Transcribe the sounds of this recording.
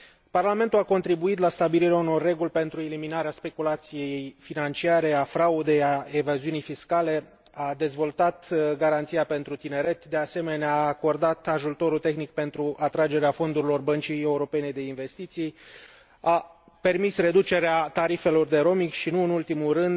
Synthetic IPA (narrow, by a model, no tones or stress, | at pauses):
parlame̞nt̪uako̞nt̪ɾibuit̪last̪abiliɾeauno̞rːe̞ɡulʲpe̞nt̪ɾueliminaɾeaspe̞kulat̪sije̞jjfinant͡ʃiaɾe̞afɾaud̪e̞jaevaziunijfiskale̞ | ad̪e̞zvo̞lt̪at̪ɡaɾant̪sijape̞nt̪ɾut̪ine̞ɾe̞t̪d̪e̞ase̞me̞neaːko̞rd̪at̪aʒut̪o̞ɾut̪e̞xnik̚pe̞nt̪ɾuʔat̪ɾad͡ʒe̞ɾeafo̞nd̪uɾilo̞rbənt͡ʃije̞uɾo̞pe̞ne̞d̪e̞inve̞st̪it̪sij | a | pe̞rmisre̞d̪ut͡ʃe̞ɾeat̪aɾife̞lo̞rd̪e̞ɾo̞mikʃinuɨnult̪imurɨnd̪